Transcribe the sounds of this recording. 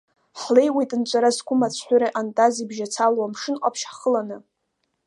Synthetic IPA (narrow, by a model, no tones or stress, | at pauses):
ħle̞jwejtʼɨnt͡ʃʷʼaɾaskʷʰʊmat͡sʷʰħʷʊɾeʔantʼazibʒat͡sʰalwamʂɨnqʷʼapʰʃaχəlanɨ